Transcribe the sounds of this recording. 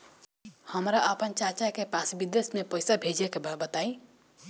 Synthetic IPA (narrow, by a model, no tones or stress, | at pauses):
həmɾaəpənt͡ʃat͡ʃakepasbid̪esmepəjsabʱed͡ʒɛkebabət̪ai